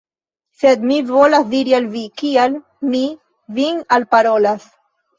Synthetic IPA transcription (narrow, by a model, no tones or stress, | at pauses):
sed̪mivolasd̪iɾialvikial | mi | vinalpaɾo̞las